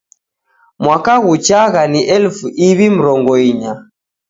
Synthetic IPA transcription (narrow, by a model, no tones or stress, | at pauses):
mwakaɣut͡ʃaɣaniʔɛlfuʔiβim̩ɾɔŋɡɔiɲa